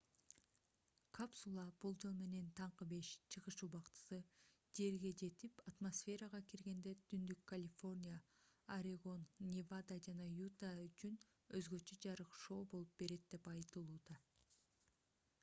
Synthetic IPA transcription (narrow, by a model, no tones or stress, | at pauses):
kʰapsulˠɑb̥ulˠd͡ʒo̞lˠme̞ne̞nt̪ʰɑɴqɯbe̞ʃt͡ʃʰɯʁɯʃubɑqt̪ɯ̥sɯ | d͡ʒe̞ɾɡe̞d͡ʒe̞t̪ipat̪mosfʲe̞ɾɑʁɑkiɾɡe̞nd̪e̞t̪ʰynd̪ykʰːɐlʲɪfo̞rʲnʲijaː | ɾʲeɡo̞nːʲevad̪ad͡ʒɑnɑjut̪ayt͡ʃyn | øzɡø̞t͡ʃø̞d͡ʒɑɾɯqʃo̞ːbo̞lˠup̚be̞ɾe̞t̪̚d̪e̞pɑjt̪ɯlˠuːd̪ɑ